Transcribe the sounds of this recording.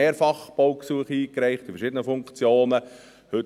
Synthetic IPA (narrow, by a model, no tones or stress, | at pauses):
eːɾfɑχb̥oʊksuəχiːkɾæɪχtifəɾʃɪd̪ənəfʊŋkt͡sjoːnə | hɵt